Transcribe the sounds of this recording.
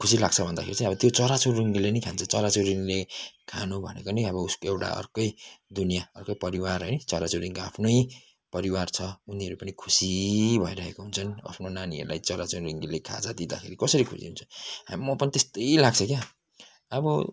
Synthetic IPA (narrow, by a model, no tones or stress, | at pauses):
kʰusilaɡ̚t͡sʰʌbʱʌnd̪akʰeɾit͡saĩʌbʌt̪jot͡sʌɾat͡soriŋɡilenʌjkʰant͡sʰʌt͡sʌɾat͡soriŋɡilekʰanubʱʌnḛkonʌʌbʌuskoewʈa̰ʌ̰rkʌjd̪unijaʌrkʌjpʌɾiwarɦʌjnʌt͡sʌɾat͡soɾiŋkoapʰnʌj | pʌɾiwart͡sʰʌuniʌɾupʌnikʰu̥sibʱʌiɾʌɦekoɦunt͡sʰʌna̰pʰnonaniʌ̰ɾula̰jt͡sʌɾat͡soriŋɡilekʰa̰d͡zad̪id̪a̰kʰeɾikʌsʌɾikʰṵsḭɦunt͡sʰʌammʌpʌnit̪est̪ʌjlaɡ̚t͡sʰʌkja | ʌbʌ